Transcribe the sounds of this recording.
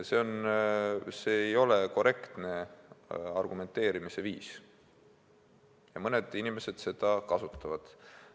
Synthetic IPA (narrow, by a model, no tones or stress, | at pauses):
se̞o̞n | se̞ːejo̞le̞ko̞re̞kt̪ne̞ | ɑ̰rɡume̞nt̪ːˑe̞ːɾimise̞vḭːs | jɑmɤned̪̥inime̞se̞d̪̥se̞d̪̥ɑkɑsut̪ːˑɑvɑd̪̥